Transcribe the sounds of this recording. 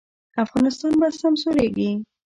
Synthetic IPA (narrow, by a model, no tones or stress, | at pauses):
afɣɑnɪst̪ɑnbasamsoɾeɡi